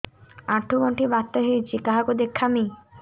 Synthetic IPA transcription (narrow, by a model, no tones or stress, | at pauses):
aʈʰːuɡoɳʈʰibat̪ːoɦejt͡ɕʰikaɦakod̪ekʰːami